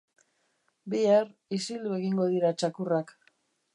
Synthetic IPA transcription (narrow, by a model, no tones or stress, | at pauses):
biarisild̪ue̞ɣiŋɡo̞ð̞iɾat͡ʃakurak